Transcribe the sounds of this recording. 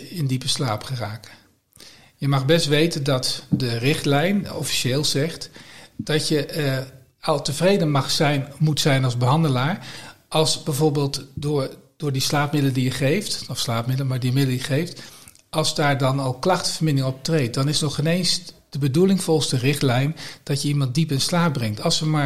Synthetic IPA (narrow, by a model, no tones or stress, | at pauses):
ɪndipəslaːpχəraːk | jəmɑχbɛstʋejtəndɑtdərɪχtlɛjnɔfi̥ʃeːlˠzɛχtd̥ɑtjə | ɑlˠtəvrejdənmɑχsɛjnmutsɛjnɑlˠzbəɦɑndəlaːɹʔɑlˠsbɛjvoːɹbeːlˠtdʊːɹd̥ʊːɹdislaːp̚mɪdələdijəχejftɔfslaːpmɪdələmaːɹdiəmɪdl̩ijəχejft | ʔɑlˠzdaːɹdɑnɑlˠklɑχtəvəɹmɪnɪŋɔp̚trejt̚d̥ɑnɪsnɔχɪnejnsd̥əbədulɪŋvɔlˠstərɪχtlɛjnd̥ɑtjəimɑnt̚dipɪnslaːp̚brɛŋtɑlˠsʋəmaːɹ